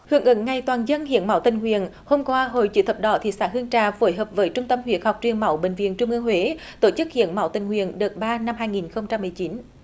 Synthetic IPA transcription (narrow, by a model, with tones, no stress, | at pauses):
hɨ̰˧˨əŋʔɨ̰˧˥ŋːa˨˩jt̪waː˨˩nzə˧nhḭ˧˨ənma˨˧˦wt̪ï˨˩ŋ̟hwḭ˧˨ənho˧mkwaː˧ɦo̰˧˨jt͡ɕɨ̰˧˨˦t̪ʰə˨˩p̚ɗɔ˧˨˦t̪ʰḭ˧˨saː˧˥ɦɨ˧əŋt͡ɕaː˧˨˩fo˨˦jɦəː˨˩p̚vəː˨˦jt͡ɕʊ˧ŋ͡mt̪ə˧mhwḭ˧˨ən̚ha˨˩wk͡p̚t͡ɕi˨˩əŋma˨˦wɓḛ˧˨ŋ̟vḭ˧˨ənt͡ɕʊ˧ŋ͡mʔɨ˧əŋhwe˨˦ | t̪o˧˩t͡ɕɨ˦˥k̚hḭ˧˨ənma˨˧˦wt̪ï˨˩ŋ̟hwḭ˧˨ənɗɨ˨˩t̚ɓaː˧na˧mɦaː˧jŋi˨˩nxə˧wŋ͡mt͡ɕa˧mːɨ˨˩əjt͡ɕi˨˦n